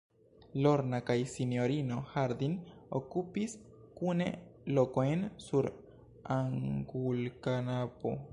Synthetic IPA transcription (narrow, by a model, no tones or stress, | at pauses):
lo̞ɾnakajsinjo̞ɾino̞haɾd̪inokupis | kune̞̰lo̞kojnsuɾ | aŋɡulkanapo̰